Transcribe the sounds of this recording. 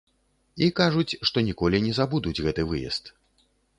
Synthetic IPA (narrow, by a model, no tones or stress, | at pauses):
ikaʐut͡sʲʂt̪ɔnʲikɔlʲinʲɛzabud̪ud͡zʲɣɛt̪ɨvɨjɛ̰st̪